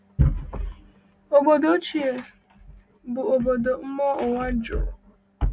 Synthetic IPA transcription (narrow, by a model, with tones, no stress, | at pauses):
o˨bo˨do˦t͡ʃi˦e˨ | bʊ˨o˨bo˨do˨m̩˦mɔ˦ʊ˨wa˦d͡ʒʊ̰˨ɾʊ˨